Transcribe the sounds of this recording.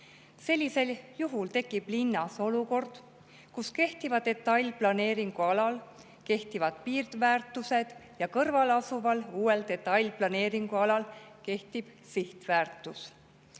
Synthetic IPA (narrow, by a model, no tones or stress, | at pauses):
se̞lʲːise̞ljuɦult̪e̞kːˑib̥linːɑso̞luko̞rd̪̥ | kuske̞ht̪ivɑd̪e̞t̪ːˑɑjlʲplɑne̞ːɾiŋɡ̥uɑlɑl | ke̞ht̪ivɑd̪̥piːrd̪̥væːrt̪ːˑuse̞d̪̥jɑkɤrvɑlɑsuvɑluːe̞ld̪e̞t̪ːˑɑlʲplɑne̞ːɾiŋɡ̥uɑlɑlke̞ht̪ib̥ | siht̪væːrt̪ːˑus